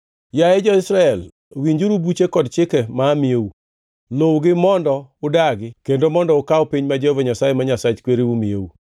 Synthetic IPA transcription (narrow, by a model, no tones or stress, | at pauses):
jajɛd͡ʒɔɪsɾaɛl | wiɲd͡ʒuɾubut͡ʃekɔdt͡ʃɪkɛmaːmieu | lowɡɪmɔndɔʊdaɡɪkendomɔndɔʊkawɔpiɲmad͡ʒeovaɲasajemaɲasat͡ʃkweɾiumiḛwu